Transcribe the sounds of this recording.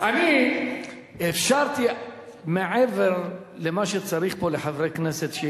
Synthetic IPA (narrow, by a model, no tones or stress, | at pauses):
ʔani | efʃaɾt̪i | meʕeveɾ | lemaʃet͡saɾiχpoleħavɾekneset̪ʃe